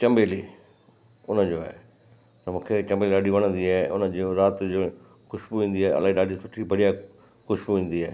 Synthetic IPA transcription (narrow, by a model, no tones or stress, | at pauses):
t͡ɕɐmbeːli | ʊnəd͡ʑoːɦɛ̰ː | t̪ɐmũːkʰet͡ɕɐmbeːliɗaːɖiʋɐɽ̃ə̃nd̪iɦaːʊ̰nəd͡ʑoːɾaːt̪oː | xʊʃbuʋĩːn̆d̪iaːɐ̰laːɦĩɗaːɖisʊʈʰibɐɽija | kʊʃbʋĩːn̆d̪iɦɛː